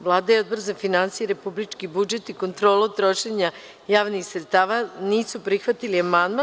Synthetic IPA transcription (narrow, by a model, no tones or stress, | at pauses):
ʋlˠaːd̪ajeo̞d̪boɾzafinansijeɾe̞publit͡ʃkibud͡ʒe̞t̪iko̞nt̪ɾoːlot̪ɾo̞ʃeɲa | jaːʋnixsɾet̪st̪aːʋaniːsupɾixʋat̪iliamand̪ma